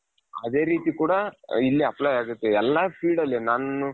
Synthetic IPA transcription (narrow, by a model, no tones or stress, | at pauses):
ɐ̰d̪e̞ːɾiːt̪ikuːɽɐilːiɐploːjaːɡut̪ːeɛlːapʰiːɖɐlːinaːnu